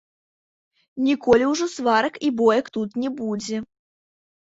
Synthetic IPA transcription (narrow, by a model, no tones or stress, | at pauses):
nʲikɔlʲiwʐɔsvaɾɐkibɔjɐkt̪ut̪nʲɛbud͡zʲɛ